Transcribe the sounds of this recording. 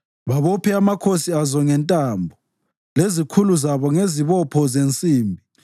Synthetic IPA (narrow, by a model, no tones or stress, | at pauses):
βaβɔpʰɛamakʰosiazɔŋɛntʼambʱɔ | lezikʰuluzaβɔŋeziβɔpʰɔzent͡sʼiːmbʱi